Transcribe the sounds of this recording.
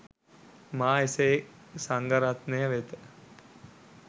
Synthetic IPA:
maːesesaŋɡəɾat̪nejəʋet̪ə

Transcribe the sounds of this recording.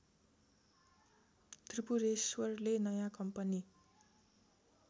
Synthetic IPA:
t̪ripuɾeswʌrlenʌjãkʌmpʌni

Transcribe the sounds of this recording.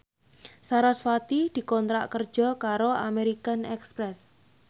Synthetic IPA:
saɾasfat̪id̪̥i̤kɔnt̪ɾa̰ʔkərd̥ʒ̥ɔ̤kaɾoameɾikanɛkspɾɛs

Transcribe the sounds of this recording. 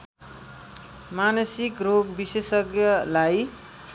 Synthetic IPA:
manʌsikroɡbisesʌkjʌlaj

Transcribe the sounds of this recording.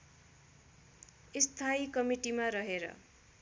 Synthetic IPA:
ist̪ʰaikʌmiʈimaɾʌɦeɾʌ̰

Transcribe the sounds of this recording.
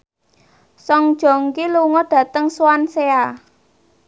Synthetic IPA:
sɔŋd̥ʒ̥ɔ̤ŋkiluŋɔɖ̥ä̤t̪əŋswansea

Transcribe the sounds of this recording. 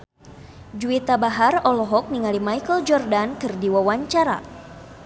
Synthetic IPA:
d͡ʒuit̪abaɦarɔlɔɦɔk̚niŋalimajkəld͡ʒɔrdankɨrdiwawaɲt͡ʃaɾa̰

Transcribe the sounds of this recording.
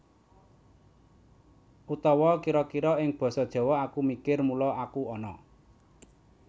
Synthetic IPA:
ʔut̪ɔwɔkiɾɔkiɾɔɪŋb̥ɔ̤sɔd̥ʒ̥ɔ̤wɔakumikɪrmulɔakuɔnɔ

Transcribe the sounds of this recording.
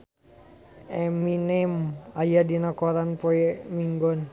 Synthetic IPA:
ɛminemajadinakɔɾanpɔɛmiŋɡɔn

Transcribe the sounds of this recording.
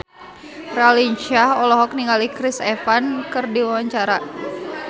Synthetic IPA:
raliɲt͡ʃahɔlɔɦɔk̚niŋɡalikɾisɛfankɨrdiwawaɲt͡ʃaɾa

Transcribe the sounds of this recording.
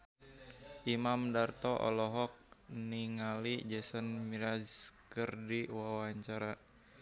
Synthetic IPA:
ʔimamdart̪ɔʔɔ̰lɔɦɔk̚niŋalid͡ʒɛsənmiɾazkərdiwawaɲt͡ʃaɾa

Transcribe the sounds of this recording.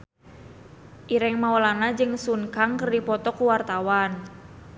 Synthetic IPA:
ʔiɾɛŋmaɔlanad͡ʒɨŋsuŋkaŋkərdipɔt̪ɔkuwart̪awan

